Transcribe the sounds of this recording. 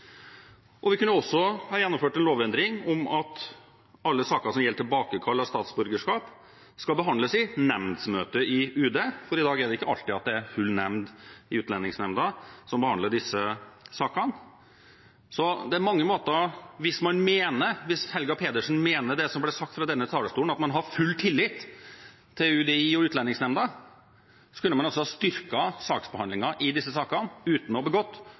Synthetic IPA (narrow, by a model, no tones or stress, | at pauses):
ʔɔʋɪkʉnəɔsːɔhɑːjɛnːɔmføːʈɛnloːʋɛnd̪ɾɪŋɔmɑt̪ | ɑlːəsɑːkəsɔmjɛlːəʈ̪ʰɪlbɑːkəkʰɑlːɑst̪ɑːt̪sbʉɾɡəʂkɑːp | skɑlbəɦɑnd̪ləsɪnɛmnd̪smøːt̪əʔɪʉːd̪eːfɔɾɪd̪ɑːɡæɖɛɪkːəɑlt̪ɪɑt̪̚d̪ɛæɾhʉlnɛmnd̪ɪʉːt̪lɛnːɪŋsnɛmd̪əsɔmbəhɑnd̪əɖɪsːəsɑːkɑn | sɔd̪ɛæɾmɑŋːəmoːt̪əɾʋɪsmɑnmeːnəɾʋɪshɛlɡɑpʰeːd̪əʂn̩meːnəɖɛsɔmblɛsɑk̚t̪fɾɑd̪ɛnːət̪ʰɑːləst̪uːln̩ɑt̪mɑnɦɑɾfʉlːt̪ʰɪlːɪt̪ʰː | ɪʉːd̪ɛiɔʉːt̪lɛnɪŋsnɛmd̪ɑ | sɔ̥kʉlːəmɑnɔs̬ɔhɑst̪ʏɾkɑsɑːksbəhɑnlɪŋɑʔɪd̪ɪsːəsɑːkɑnʉːt̪n̩ɔbəɡɔt̪ː